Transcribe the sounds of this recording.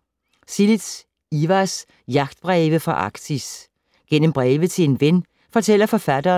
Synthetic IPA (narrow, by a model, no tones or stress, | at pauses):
sili̥s | iʋæs | jɑ̈ɡ̥̚d̥̚b̥ʁɛːʋəfʁɑ̈ʔɑ̈ɡ̥d̥ʰis | ɡ̥en̰əm̩b̥ʁɛːʋəðt͡sʰe̝le̝nʋen | fɒ̽t͡sʰel̰ɐfɒ̽fæd̥ɐː